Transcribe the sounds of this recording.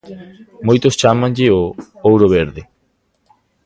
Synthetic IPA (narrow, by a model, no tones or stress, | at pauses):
mojt̪ost͡ʃamãŋʎɪo | owɾoβ̞eɾðe